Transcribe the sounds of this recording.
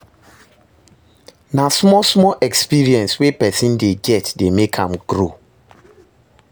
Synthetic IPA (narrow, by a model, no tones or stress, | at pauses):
nasmɔsmɔʔɛkspiɹiɛ̃nswepɛsĩndeɡɛtdemekʰãmɡ̥ɾo